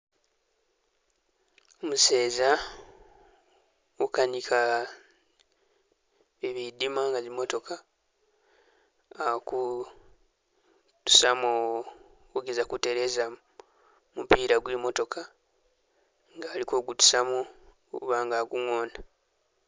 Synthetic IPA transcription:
omuse̞ːza | ukanikʰa | βiβidimaŋɡazimo̞to̞kʰa | ku | tu̥samo | uɡezakuteɾe̞za | mupiːɾaɡwimo̞to̞kʰa | ŋɡaːliko̞ːɡutu̥samo | uβaːŋɡaɡuŋoːna

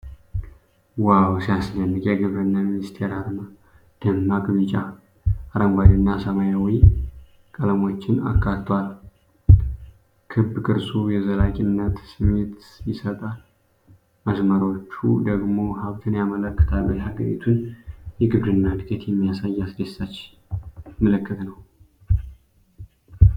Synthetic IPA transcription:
wawsijaslənːɨkʼjɛɡɨβɾɨnːaminist̪ʰe̞ɾaɾma | d̪̥əmːakʼɨβɨt͡ʃʼa | aɾəŋɡʷad̪ɨnːasəmajawi | kʼələmo̞t͡ʃːɪna̰kʰːatt̪ʰwal | kʰɨbkʼɨɾsʼujɛzəlakʲʼɪnːət̪sɨmet̪sjisət̪ʼal | məsməɾot͡ʃːṵd̪əɡmo̞haβt̪ʰɨnjamələkːə̥t̪ʰalːuhaɡə̰ɾḭt̪ʰunjɛɡɨβɾɨnːad̪ɨɡet̪jɛmːijasajːasɡesat͡ʃː | mələkːət̪nəw

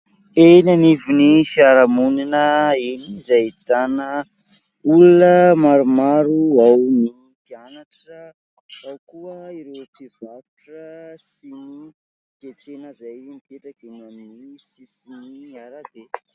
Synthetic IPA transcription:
enanivinifiaɾamuninəenizajit̪anə | ulunəmaɾumaɾuawni | kianaʈ͡ʂə | awkuəiɾet͡siv̥avuʈ͡ʂəsini | t̪et͡senəzajmipeʈ͡ʂakenamnisisiniaɾad̪e

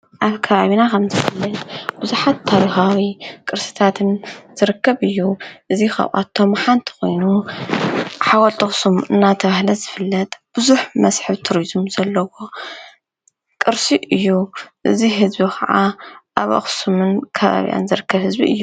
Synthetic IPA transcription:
ʔaβkʰɐβaβinakʰɐmzɨfɨlːɐt̪b̥ɨzuħat̪ʰːaɾixawikʼɨɾsɨ̥t̪ʰat̪ʰɨnz̥ɨɾɨkːɐβɨjːuʔɨzixɐ̰βʔa̰t̪ʰːomħant̪ʰi̥xo̞̰jnu | ħawɔlt̪ʰɨxsumɨnːat̪ʰɐβahlɐzɨfɨlːɐt̪ʼb̥ɨzuħmɐsħɨβt̪ʰuɾizumzɐlːɐwo̞ | kʼɨɾsiʔɨjːuʔɨziɦɨzbikʰɐʕaʔaβʔɐ̰xsumɨnkʰɐβa̰βḭjʔa̰nzɨɾɨkʰːɐβhɨzbḭɨ̰jːu

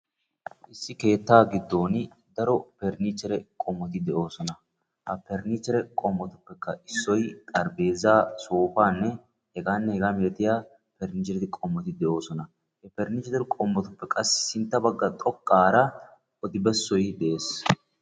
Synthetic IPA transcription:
ʔɪsːɪke̞ːt̪ːaːɡɪd̪ːo̞ːn | d̪ɐɾɔpɛɾnit͡ʃːɛɾɛkʼɔmːɔt̪ɪd̪ɛʔo̞ːsɔnɐ | hɐpɛɾnɪt͡ʃːɛɾɛkʼɔmːɔt̪ʊpːɛkːɐɪsːɔjt̪ʼɐɾbeːzaːsoːfaːnːɛ | hɛɡaːnːɛhɛɡameːt̪ɪjaː | pɛɾnɪt͡ʃːɛɾɪt̪ɪkʼɔmːɔt̪ɪd̪ɛʔo̞ːsɔnɐ | hɛpɛɾnɪt͡ʃːɛt̪ɪɾkʼɔmːɔt̪ʊpːɛkʼɐsːɪ̥sɪnt̪ːɐbɐɡːɐt̪ʼɔkʼːaːɾɐ | ʔɔd̪ɪbɛsːɔjd̪ɛʔe̞ːs

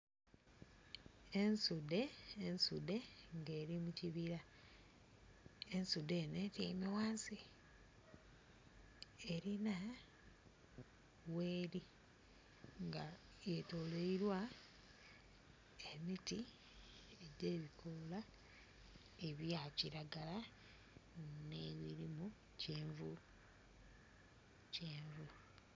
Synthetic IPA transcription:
e̞nsude̞ːnsude̞ŋɡe̞ːɾimuciβiɾa | ensude̞netḭmewaːnsi | eɾina | we̞ːɾi | ŋɡa | jetoleiɾwa | emiti | eɟeːβikʰola | eβjaciɾaɡala | neβiɾimu | ceːɱvu | ceːɱvu

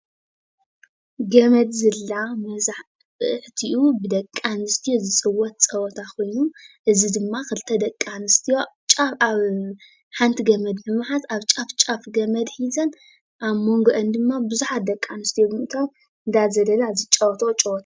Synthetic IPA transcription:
ɡɐmɐd̪zɨlːamɐzaħ | bɨʔɨħt̪ʰiʔubɨd̪ɐkʼːanɨst̪ʰijozɨsʼɨwːɔt̪̚t͡sʼɐwɔt̪ʰakʰo̞jnuʔɨzid̪ɨmːakɨlt̪ʰɐd̪ɐkʼːanɨst̪ʰijo̞t͡ʃʼafaβ | ħant̪ʰiɡɐmɐd̪mɨmħat̪aβt͡ʃʼaft͡ʃʼafɡɐmɐd̪ħizɐn | ʔaβmo̞ŋɡoʔɐnd̪ɨmːabɨzuħat̪̚d̪ɐkʼːanɨst̪ʰijoɨt̪ʰom | ɨnd̪azɐlɐlazit͡ʃʼɐwt̪ʰot͡ʃʼɐwɔt̪ʰḁ

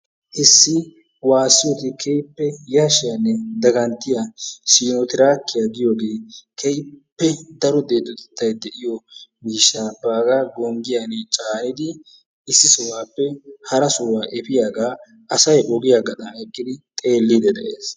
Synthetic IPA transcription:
ʔɪsːɪ | waːsːɪjɔt̪ɪkʰɛjpːɛjɐʃɪjanːɛd̪ɐɡɐnt̪ːɪjasiːnɔt̪ɪɾaːkːɪjaɡɪjoːɡeːkʰɛjpːɛd̪ɐɾɔd̪e̞ːd̪ːɔt̪ɛ̥t̪ːɐjd̪ɛʔɪjɔmiːʃːaːbaːɡaːɡɔŋɡɪjanɛt͡ʃʼaːnɪd̪ɪ | ʔɪsːɪsɔwaːpːɛhɐɾɐsʊwaːʔɛpɪjaːɡaː | ʔɐsɐjʔɔɡɪjaːɡɐt̪ɐɐjkʼːɪd̪ɪt̪ʼe̞ːlːid̪ɛd̪ɐʔeːs

